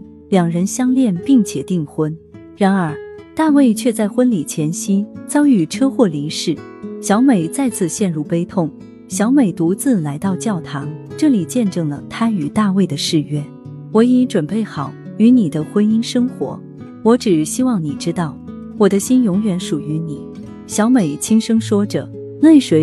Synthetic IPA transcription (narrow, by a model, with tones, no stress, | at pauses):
ljɑ˨˩ŋɻə˧˥nɕjɑ˥ŋljɛ˥˧npi˥˩ŋt͡ɕʰjɛ˨˩t̪i˥˩ŋxwə˥n | ɻa˧˥nə˞˧˥t̪a˥˧we˥˩˧ɪt͡ɕʰɥɛ˥˧t͡sa˥˩ɪxwə˥nli˨˩t͡ɕʰjɛ˧˥nɕi˥nt͡sɑ˥ʊy˥˨˩ʈ͡ʂʰɤ˥xwɔ˥˩li˧˥ŋʂɻ̩˥˩ | ɕjɑ˧˥ʊme˨˩ɪt͡sa˥˧ɪt͡sʰɹ̩˥˧ɕjɛ˥˧nɻu˥˩pe˥ɪt̪ʰʊ˥˩ŋ | ɕjɑ˧˥ʊme˨˩ɪt̪u˧˥t͡sɹ̩˥˩la˧˥ɪt̪ɑ˥˧ʊt͡ɕjɑ˥˩ʊt̪ʰɑ˧˥ŋʈ͡ʂɤ˥˩li˨˩t͡ɕjɛ˥˧nʈ͡ʂɤ˥˩ŋlə̰˩t̪ʰa˥y˨˩t̪a˥˧we˥˩ɪd̪ə˩ʂɻ̩˥˩ɥɛ˥ | wɔ˧˥i˧˥ŋʈ͡ʂwə˨˩npe˥˩ɪxɑ˨˩˦ʊy˧˥ni˨˩d̪ə˦xwə˥ni˥nʂɤ˥ŋxwɔ̰˧˥ | wɔ˧˥ʈ͡ʂɻ̩˨˩ɕi˥wɑ˥˩ŋni˨˩ʈ͡ʂɻ̩˥t̪ɑ˥˩ʊ | wɔ˨˩d̪ə˦ɕi˥njʊ˧˥ŋɥɛ˧˥nʂu˨˩y˧˥ni˨˩˦ | ɕjɑ˧˥ʊme˨˩ɪt͡ɕʰi˥ŋʂɤ˥ŋʂwɔ˥ʈ͡ʂɤ̰˨˩ | nwe˥˩ɪʂwe˧˥